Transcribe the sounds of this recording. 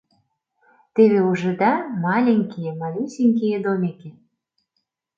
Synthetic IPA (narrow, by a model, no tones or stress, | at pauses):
t̪eβeuʒɤ̆d̪ɑmɑlʲeŋʲkijemɑlʲusʲiŋʲkejed̪omʲeke